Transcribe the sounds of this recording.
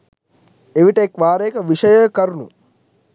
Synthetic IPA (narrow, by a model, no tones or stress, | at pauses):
eʋiʈəekʋaːɾejkəʋiʂəjəkɐɾunṵ